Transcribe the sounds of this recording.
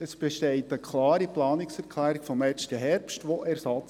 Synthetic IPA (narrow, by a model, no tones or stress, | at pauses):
əsb̥ɛʃtɛɪtəkʰlɑːɾiplɑːnɪksæɾkʰlæːɾikfɔmɛstəɦɛɾpstʋoʔɛɾsɑt͡s